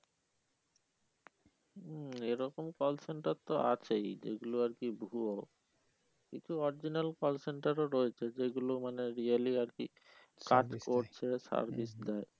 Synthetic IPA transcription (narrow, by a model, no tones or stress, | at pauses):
eɾɔkomkɔlseɳʈaɾt̪oa̰t͡ɕʰejd͡ʑḛɡuloaɾkibʱuo | kḭt͡ɕʰuɔɾid͡ʑinalkɔlseɳʈaɾoɾɔet͡ɕʰed͡ʑeɡulomaneɾialiaɾkḭ | ka̰ʈkoɾt͡ɕʰesa̰ɾbisd̪ɛe